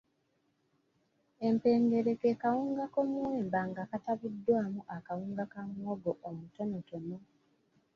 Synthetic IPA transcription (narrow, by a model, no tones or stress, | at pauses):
e̞mpe̞ːŋɡe̞ɾe̞kekawuːŋɡako̞muweːmbaŋɡaːkataβidːwaːmuʔakawuːŋɡakamoɡoʔomuto̞notono